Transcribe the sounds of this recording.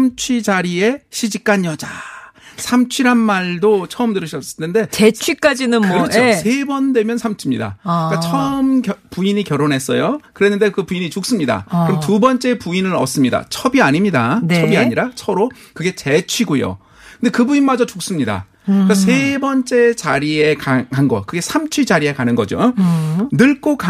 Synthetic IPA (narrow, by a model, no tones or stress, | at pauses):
amt͡ɕʰwid͡ʑaɾie̞ɕʰid͡ʑik͈aɲjʌd͡ʑasʰamt͡ɕʰwiɾanmaɭdot͡ɕʰʌɯmdɯɾɯɕʰʌs͈ʌ̥tʰende̞t͡ɕet͡ɕt͡ɕʰwik͈ad͡ʑinɯnkɯɾʌt͡ɕosʰe̞bʌndwe̞mjʌnsʰamt͡ɕʰimɲida̰kat͡ɕʰʌɯmɡjʌpuiɲikjʌɾonɦe̞s͈ʌ̰jokɯɾe̞nːɯnde̞kɯpuiɲit͡ɕok̚s͈ɯmɲida̰kɯɾʌmtubʌnt͡ɕ͈e̞puinɯɾʌ̰s͈ɯmɲida̰t͡ɕʰʌbiaɲimɲidanʰʌbiaɲiɾat͡ɕʰʌɾo | kɯɡe̞t͡ɕe̞t͡ɕʰwiɡojo̰ | kɯnde̞kɯbuinmad͡ʑʌt͡ɕok̚s͈ɯmɲida̰ | kasʰe̞bʌnt͡ɕ͈e̞t͡ɕaɾie̞kaanɡʌ̰kɯɡe̞sʰamt͡ɕʰwid͡ʑaɾie̞kanɯnɡʌ̰d͡ʑo̰ | nɯɭk͈oka